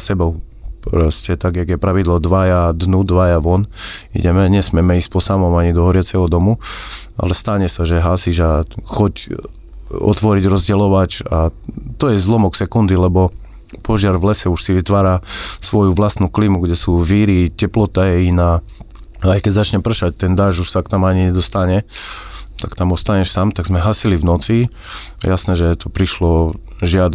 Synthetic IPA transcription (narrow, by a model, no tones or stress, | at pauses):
sɛbɔʊ | pɾɔscɛt̪aɡjaɡjɛpɾaʋid̪lˠɔd̪ʋajad̪nud̪ʋajaʋɔnḭɟɛmɛɲɛsmɛmɛiːsc̚pɔsamɔmaɲid̪ɔɦɔɾɪat͡sɛɦɔd̪ɔmua̰lɛst̪aɲɛsaʒɛɦaːsiʒaxɔc | ɔ̰t̪ʋɔɾiɟɾɔzɟɛlɔʋat͡ʃat̪ɔjɛzlɔmɔksɛkund̪ilɛbɔ | pɔʒɪaɾvlɛsɛuʃsiʋit̪ʋaːɾaːsʋɔjuʋlast̪nuklimuɡɟɛsuviːɾicɛplɔt̪ajɛina | ajkɛɟzat͡ʃɲɛpr̩ʃac̚t̪ɛnd̪aʒuʃsakt̪amaɲiɲɛd̪ɔst̪aɲɛ | t̪akt̪amɔst̪aɲɛʃsamt̪aɡzmɛɦaːsilivnɔt͡sḭ | jasnɛːʒɛt̪ɔpɾiʃlɔ | ʒɪad̪